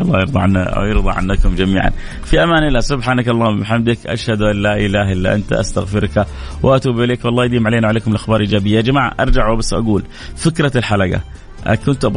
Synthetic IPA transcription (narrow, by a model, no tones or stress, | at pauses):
ʔɑlˤːɑːjɪɾd̪ˤɑ̰ʕa̰jɪɾd̪ˤɑ̰ʕa̰nːakʊmd͡ʒamiːʕa̰n | fiʔamaːnɪlaːsʊbħaːnakɑlˤːɑːʊmbɪħamd̪ɪkʔa̰ʃhad̪ʔalːaːʔɪlaːɦʔɪlːa̰ʔant̪a̰ʔa̰st̪a̰ɣfɪɾka | wʔɪʔat̪uːbʔɪleːkwɑlˤːɑːjad̪iːmʕaleːnaʕaleːkʊmɪlʔaxbɑːɾˤʔiːd͡ʒaːbɪjːad͡ʒamaːʕa̰ʔɑ̰ɾˤd͡ʒaʕwabasːʔa̰ɡuːl | fɪkɾɑlħalaɡa̰ | ʔkʊnt̪ʔb